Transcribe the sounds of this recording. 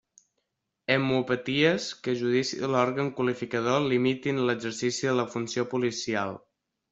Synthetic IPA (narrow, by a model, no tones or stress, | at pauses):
əmupət̪iəskəʒuðisḭlɔɾɣəŋkwəlifikəð̞olimit̪inləɡzəɾsisiðələfunsiopulisia̰lˠ